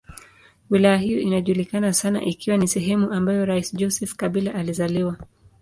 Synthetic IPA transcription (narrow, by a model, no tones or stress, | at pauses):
wilajahijɔinaʄulikanasana̰ʔikiwanisɛɦɛmuʔambajɔɾaisʄɔsɛfkaɓilaʔalizaliwa